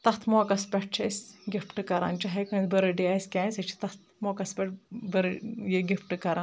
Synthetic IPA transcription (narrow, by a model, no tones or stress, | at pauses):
t̪ɐt̪ʰmoːkɐspʲɛʈ̚t͡ʃʰɐsɡʲifʈɨkɐɾa̰ːnt͡ʃɐɦɐjkɐbɐɾɨɖiaskʲãːsɐt͡ʃʰi̥t̪ɐt̪̚moːkɐspʲɛʈ̚bɐɾɨjeɡʲifʈɨkɐɾaːn